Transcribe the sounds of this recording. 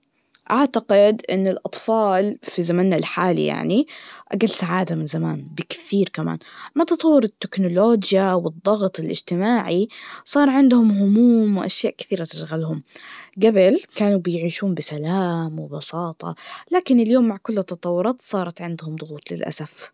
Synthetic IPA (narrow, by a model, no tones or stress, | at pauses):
ʔaʕt̪aqɪd̪ʔɪ̰nːɪlʔɑt̪ˤfɑːlfizamaːnːalħaːlḭja̰ʕniʔaɡalːsaʕaːd̪amɪnzama̰ːnbɪkɪ̥θiːɾkama̰ːnmat̪ɑt̪ˤɑwːʊɾɪt̪ːɪknʊloːd͡ʒjawɪd̪ˤːɑɣt̪ˤɪlʔɪ̰d͡ʒt̪ɪmaːʕisˤɑːɾˤʕɪnd̪hʊmɦʊmuːmwʔaʃjaːʔkɪ̥θiːɾat̪ɪʃɣalhʊmɡabɪlkaːnubɪjʕiːʃuːnbɪsalaːmwɪbɑsɑːt̪ˤɑ̰laːkɪnɪljoːmːaʕkʊlːt̪ːɑt̪ˤɑwːʊɾˤɑːt̪sˤɑːɾˤɑt̪ʕɪnd̪hʊmd̪ˤʊɣuːt̪ˤlɪ̰lʔa̰saf